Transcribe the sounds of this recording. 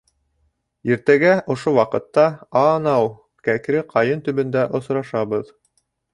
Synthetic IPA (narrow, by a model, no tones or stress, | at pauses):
iɾt̪æɡæʔŏʃowɑqɤ̆t̪ːɑɑnɑw | kækɾɘqʰɑjɤnt̪ɵ̆βɵ̆nd̪æʔŏsɾɑʃɑβɤð